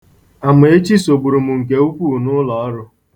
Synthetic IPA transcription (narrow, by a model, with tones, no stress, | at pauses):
a˨mʊ˨e˦t͡ʃi˦so˨ɡ͡bu˨ɾu˨mu˨ŋ̩˨k̬e˨u˦kʷu˦˨nʊ˦lɔ˨ɔ˦ɾʊ˦